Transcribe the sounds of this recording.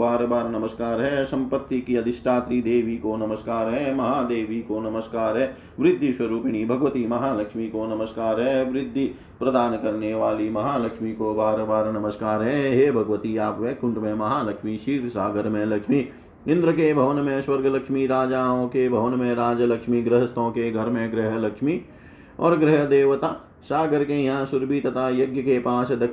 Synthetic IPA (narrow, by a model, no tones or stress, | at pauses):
baːɾbaːɾnɐməskaːɾɦɛsɐ̃mpət̪ːikiɐd̪ʱɪʃʈ̪ʰaːt̪ɾid̪eːʋikonɐməskaːɾɦɛmɐɦaːd̪eːʋikonɐməskaːɾɦɛ | ʋɾɪd̪ʱːiswɐɾuːpɪɽ̃ibʱɐɡʋət̪imɐɦaːlɐkʃmikonɐməskaːɾɦɛʋɾɪd̪ʱːi | pɾɐd̪aːnkɐɾneʋaːlimɐɦaːlɐkʃmikobaːɾbaːɾnɐməskaːɾɦɛɦeːbʱɐɡʋət̪iaːpʋẽkʊ̃ɳʈmẽmɐɦaːlɐkʃmiʃiːɾsaːɡəɾmẽlɐkʃmi | ɪ̃nd̪ɾəkebʱɐʋənmẽswɐɾɡʱəlɐkʃmiɾaːd͡ʒaːõkebʱɐʋənmẽɾaːd͡ʒəlɐkʃmiɡɾɪɦəst̪õkeɡʱɐɾmẽɡɾɪɦlɐkʃmi | ɔːɾɡɾɪɦd̪eːʋət̪aː | saːɡəɾkejɦãsʊɾbʱiːt̪ɐt̪ajɐɡjəkepaːsd̪ɐ